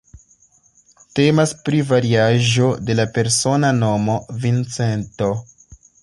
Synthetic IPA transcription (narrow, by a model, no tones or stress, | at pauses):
te̞maspɾivaɾiaʒo̞de̞lape̞ɾso̞nano̞mo̞vint͡se̞nto̞